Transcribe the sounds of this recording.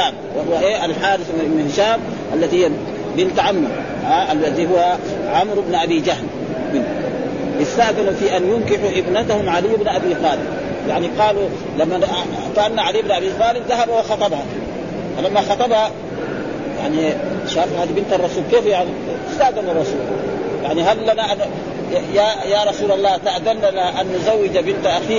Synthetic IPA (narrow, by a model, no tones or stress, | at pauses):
aːm | wahuwaʔeːalħaːɾɪθnalmɪhʃaːm | ʔalːat̪ihijːa | bɪnt̪ʕamːɑɾ | haʔalad̪iɦuwːa | ʕamɾbnʔabiːd͡ʒahl | bɪn | ʔɪst̪aʔd̪anfiːʔanjʊnkiħuʔɪbnat̪ahumʕalijːbnʔabiːxaːlɪd̪ | jaʕniqɑːlu | lamːa | kaʔanːaʕaliːbnʔabixɑːlɪbðaɦabawɑxɑt̪ˤɑbha | falamːaxɑt̪ˤɑbha | ja̰ʕniʃaːfhaːd̪ibɪnt̪ɑrˤːɑsuːlkeːfjaʕni | ɪst̪aʔd̪anɑrˤːɑsuːl | ja̰ʕniɦalːanaʔan | jajaɾˤɑsuːlɑlˤːɑːt̪aʔd̪anːanaʔanːʊzawːɪd͡ʒabɪnt̪aʔaxiː